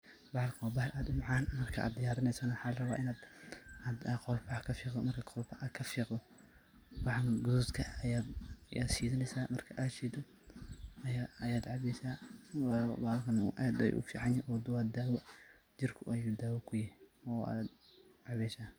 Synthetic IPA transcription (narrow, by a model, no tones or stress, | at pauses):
bɑʕlkʰɔːbɐhʔaːd̪ʊmɑʕɑːnmɐrkʰɐʔa̰ːd̪̚d̪ɪjaːɾɪnɛjsɐnɐwɑħɑːlrɐβaːʔɪnaːd̪ad̪qɔlbʰɐkʰɐfiːqdɔmɐrkʰɐqɔlbɐɐkʰɐfiːqd̪ɔ | wɑʕɑŋɡʊðut̪kʰɐɐjaːd̪ja̰ːd̪siːðɪnɛjsaːmɐrkʰɐʔaːd̪ʃiːd̪ɔ | ɐjaɐjaːd̪ʕɑβɛsaː | baːɐlkʰɐnɐ̰ʔad̪ɛ̰jʔʊ̰fḭːʕɑnɪʔɔːd̪ʊwaːd̪aːwɔ | d͡ʒɪrkʰʊʔʔɐjud̪aːwɔkʰʊjɪhɔːa̰d̪ | ʕɑβɛːsaː